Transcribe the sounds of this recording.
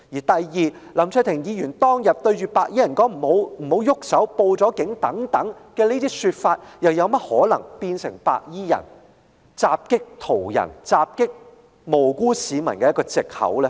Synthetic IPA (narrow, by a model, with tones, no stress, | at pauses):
jiː˨˩t̪ɐ˨jjiː˨lɐ˨˩mt͡sʰœː˥˧t̪ʰɪ˨˩ŋjiː˨˧jyː˨˩nt̪ɔː˥ŋjɐ˨˩p̚t̪ɵ˧ɥɥyː˧paː˧k̚jiː˥jɐ˨˩nkɔː˥ŋm̩˨˩ho˨˧wm̩˨˩ho˨˧˥wjʊ˥k̚sɐ˨˥wpo˧wt͡sɔː˨˥kɪ˨˥ŋt̪ɐ˨˥ŋt̪ɐ˨˥ŋkɛː˧niː˥t̪iː˥syː˧t̚faː˧t̚jɐ˨wjɐ˨˧wmɐ˥t̚hɔː˨˥lɐ˨˩ŋpiː˧nsɪ˨˩ŋpa̰ː˧k̚jiː˥jɐ̰˨˩n | t͡saː˧p̚kɪ˥k̚t̪ʰo˨˩wjɐ̰˨˩nt͡saː˧p̚kɪ˥k̚ | mo˨˩wkuː˥siː˨˧mɐ˨˩nkɛː˧jɐ˥kɔː˧t͡sɪ˨k̚hɐ̰˨˥wlɛ˦